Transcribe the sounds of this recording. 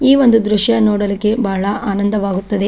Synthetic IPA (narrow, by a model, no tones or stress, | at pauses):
iːʋo̞nd̪ud̪ɾuʃjɐnɔːɽɐlikːe̞baːɐɭɐʔaːnɐnd̪ɐʋaːɡut̪ːɐd̪e